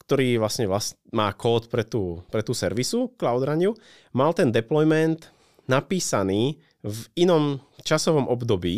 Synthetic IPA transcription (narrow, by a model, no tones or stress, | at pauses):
kt̪ɔɾiːʋlasɲɛʋlas | maːkɔːt̪pɾɛt̪uːpɾɛt̪uːsɛɾʋisuklaʊd̪ɾaɲu | malt̪ɛnd̪ɛplɔjmɛnt̪ | napiːsaniː | vinɔm | t͡ʃasɔʋɔmʔɔbd̪ɔbiː